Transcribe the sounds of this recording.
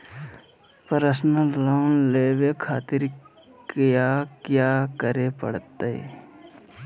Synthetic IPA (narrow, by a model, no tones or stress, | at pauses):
pəɾəsnəlanleːʋekʰaːt̪ɪɾ | kjakjaːkəɾepə̰ɽt̪ːəḛ